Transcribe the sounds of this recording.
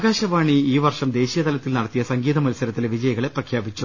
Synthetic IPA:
ɣaːɕɐʋaːɳiiːʋɐrʂɐmd̪e̞ːɕijɐt̪ɐlɐt̪ːilnɐɽɐt̪ːijɐsɐŋɡiːðɐmɐlisɐɾɐt̪ːileʋid͡ʑɐjɐɣɐɭe̞prɐkʰjaːbit͡ɕːu

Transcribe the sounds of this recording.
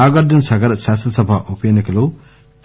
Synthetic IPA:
aːɡɐɾd̪ɐnsɐɡɐɾɐʃaːsɾɐsɐbʱaʔupɐjɐnɐkɐloː | ʈ

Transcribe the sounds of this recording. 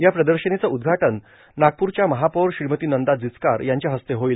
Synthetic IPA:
japɾəd̪əɾɕənet͡səʔud̪̚ɡʱaʈənː | aɡ̚puɾt͡ɕjaməɦapoɾɕɾimət̪iːnənd̪ad͡zit͡ska̰ɾjaɲt͡ɕjaɦəst̪eɦoiːl

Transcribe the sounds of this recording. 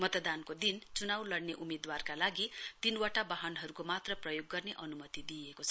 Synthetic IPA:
mʌt̪ʌd̪ankod̪int͡sunawlʌɽneʔumed̪warkalaɡit̪inwʌʈabaɦʌnɦʌɾukomat̪rʌprʌjoɡːʌrneʔʌnumʌt̪id̪iekot͡sʰʌ̥

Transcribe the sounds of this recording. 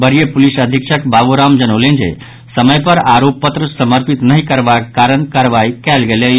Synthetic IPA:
bəɾijəpulisəd̪ʱikʃʰəkbabuɾamd͡ʒənəwlẽnd͡ʒḛ | səməjpəɾaɾopːət̪ɾəsəməɾpit̪nəɦikəɾbakkaɾənkaɾʋaikɛlɡele

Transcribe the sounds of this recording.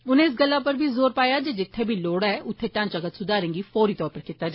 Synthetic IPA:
ʊnẽːɪs̬ɡəlːaːpəɾbʱiːzoːɾpaːjaːd͡ʒeːd͡ʒɪt̪ʰːeːbʱiːloːɽaːɛːʔʊt̪ʰːeːʈãːnt͡ʃəkət̪sʊd̪aːɾẽːŋɡiːfoːɾiːt̪ɔːɾpəɾkit̪ːaːd͡ʒa

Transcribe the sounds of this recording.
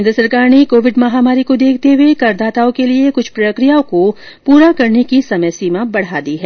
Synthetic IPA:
nd̪ɾəsɐɾkaːɾñikoːʋɪɖmɐɦaːmaːɾikod̪eːk̚ʰt̪ewekɐɾd̪aːt̪aːõkeliekʊt͡ʃʰpɾɐkɾijaõko | puːɾakɐɾnekisɐməjsiːmabɐɽ̤aːd̪iɦɛː

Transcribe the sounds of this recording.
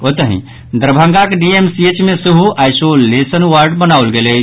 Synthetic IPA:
ot̪əɦḭ̃ | d̪əɾbʱə̃ŋɡakeɖiemsiet͡ʃmesəɦuajsolesənwaɾɖbənaulɡele

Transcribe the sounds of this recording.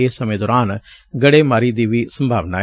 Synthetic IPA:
eːsəmẽːd̪ɔːɾaːn | ɡəɽeːmaːɾiːd̪iːʋiːsəmbʱaːʋnaː

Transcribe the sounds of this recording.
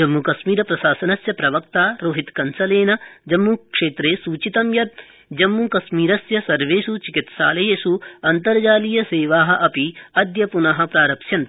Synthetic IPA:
d͡ʒɐmːukɐsmiːɾɐpɾɐʃaːsɐnɐsjɐpɾɐʋɐkt̪aːɾoːɦit̪kɐnsɐleːnɐd͡ʒɐmːukʂeːt̪ɾeːsuːt͡ʃit̪ɐmjɐt̪̚ | d͡ʒɐmːukɐsmiːɾɐsjɐsɐɾʋeːsut͡ʃikit̪ʃa̰ːlɐjeːsuɐnt̪ɐɾd͡ʒaːlijɐseːʋaːɦɐʔɐpiɐd̪jɐpunɐɦɐ̆pɾaːɾɐpʃjɐn

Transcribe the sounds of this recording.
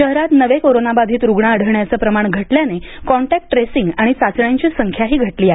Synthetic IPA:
ɕəɦɾat̪nəʋekoɾonabad̪ʱiːt̪ɾuɡɳaəɽ̤əʋɳjat͡səːpɾəmaɳɡʱəʈljanekɔɳʈæk̚ʈːɾesiŋɡaɽ̃isat͡sɳjãɲt͡ɕiːsəŋkʰjaɦiːɡʱəʈliːaɦe

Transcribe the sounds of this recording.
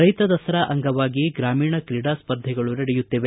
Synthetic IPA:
ɾɐjt̪ɐd̪ɐsɐɾɐʔɐŋɡɐʋaːɡiɡɾaːmiːɳɐkɾiɽaːspɐɾd̪ʱːɛɡɐɭuɾɐɽɛjut̪ːiʋe

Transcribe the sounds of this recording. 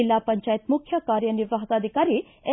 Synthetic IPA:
ilːapɐɲt͡ʃaːjit̪mukʰjɐkaːɾjɐniɾʋaɦt̪aːd̪ʱikaɾi | e

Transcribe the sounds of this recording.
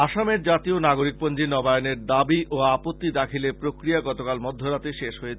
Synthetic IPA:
aʃameɾd͡ʑat̪ionaɡoɾik̚pond͡ʑinɔbajoneɾd̪abiʔoapot̪ːid̪akʰilepɾokɾijaɡɔt̪okalmɔd̪ʱːoɾat̪eʃeʃɦojet͡ɕʰ

